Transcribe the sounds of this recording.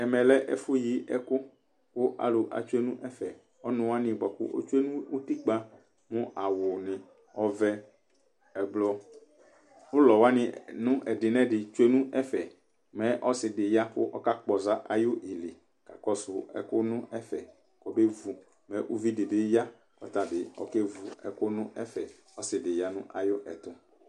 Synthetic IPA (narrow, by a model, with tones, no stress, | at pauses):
ɛ˨mɛ̃˨lɛ˦ʔɛ̰˦fʊ˦ji˨˦ʔɛ˦kʊ˦ | kʊ˦ʔa̰˨lʊ˨ʔa̰˨t͡ʃu˦e˦nũ˦ʔɛ˦fɛ˨ | ɔ˦nʊ̃˨wa˦nɪ̃˨bɔ˨kʊ̰˦ʔo̰˦t͡ʃu˦e˦nũ˦u˦t̪i˦k͡pa˦ | mʊ̃˦ʔa˨wʊ˨nɪ̃˨ | ɔ˦vɛ˦ | ɛ˨blɔ˦ | ʊ˦lɔ˨wa˦nɪ̃˨nʊ̃˦ʔɛ˨dɪ˨nɛ̃˦dɪ˨t͡ʃu˦e˦nũ˦ʔɛ˦fɛ˨ | mɛ̃˦ʔɔ˦sɪ˨dɪ˨ja˦kʊ˦ʔɔ˦ka˦k͡pɔ˨za˦ʔa̰˨jʊ˦ʔi˨li˨ | ka̰˨kɔ˦sʊ˨ɛ̰˨kʊ˦nʊ̃˦ʔɛ˦fɛ˨ | kɔ˨be˦vu˨ | mɛ˨˦ʔu˦vi˦dɪ˨bɪ˦ja˦ | kɔ̰˨ta˨bɪ˨ɔ̰˨ke˦vu˨ɛ˨kʊ˦nʊ̃˦ʔɛ˦fɛ˨ | ɔ˦sɪ˨dɪ˨ja˨nʊ̃˦ʔa˨jʊ˦ʔɛ˨tʊ˦